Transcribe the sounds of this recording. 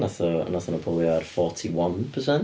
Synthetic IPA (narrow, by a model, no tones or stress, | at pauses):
naθɔə̰naθɔnəpʰɔlˠjarfɔtʰiwanpʰəsɛn